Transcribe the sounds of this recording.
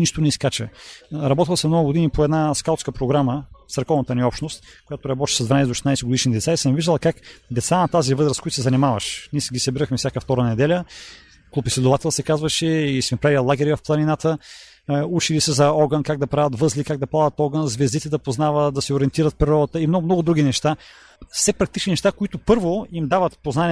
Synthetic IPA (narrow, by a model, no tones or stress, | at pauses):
niʃt̪onɛiskat͡ʃəɾɐbɔt̪ilˠsɛmnɔɡʊɡʊd̪inipoɛd̪naskalˠt̪skəpɾoɡɾamət̪ɐɾkɔvnət̪əniɔpʃnost̪̚kojat̪oɾɐbɔt̪i̥ʃsɐzd̪vɐnajsɛd̪oʃɛ̥ajsɛɡoʊd̪iʃnid̪ɛt̪saisəmviʒd̪əlˠɐkakd̪ɛt̪sanɐt̪azivɤzɾəskojt̪sɛzɐnimavəʃniɛsɡʲisɐbiɾəxmɛfsʲakəft̪ɔɾənɛd̪ɛlʲə | klˠupislʲɛd̪ʊvat̪ɛlˠsɛkazvəʃɛismɛpɾavilˠaɡʲɛɾivɐfplˠɐninat̪ə | ut͡ʃilisəzɐɔɡənkaɡ̚d̪ɐpɾavət̪vɤzlʲikaɡ̚d̪ɐplˠad̪ɐt̪ɔɡənzvɛzd̪it̪ɛd̪ɐpoznavəd̪ɐsɛoɾiɛnt̪iɾət̪̚pɾiɾɔd̪ət̪əimnɔmnɔɡʊd̪ɾuɡʲinɛʃt̪a | fsɛpɾɐk̚t̪it͡ʃninɛʃt̪akoit̪opɤɾvoimd̪avət̪poznani